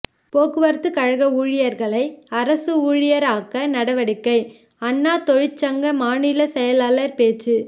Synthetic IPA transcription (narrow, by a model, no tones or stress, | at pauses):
poːkɯʋɐɾt̪ːɯkɐɻɐɣɐuːɻɪjɐɾɣɐɭɐɪɐɾɐsɯuːɻɪjɐɾaːkːɐnɐɽɐʋɐɽɪkːɐɪ | ɐnːaːt̪ɔɻɪt͡ʃːɐŋɡɐmaːnɪlɐsɛjɐlaːlɐɾpeːt͡ʃːɯ